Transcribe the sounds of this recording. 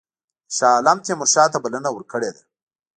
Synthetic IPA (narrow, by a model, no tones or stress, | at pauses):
saːlamt̪emʊʃɑːt̪abalənawəɾkəɽed̪a